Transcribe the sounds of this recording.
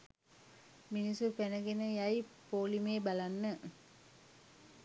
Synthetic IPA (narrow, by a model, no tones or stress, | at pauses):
minisufænəɡenəjajpoːlimeːbalanːə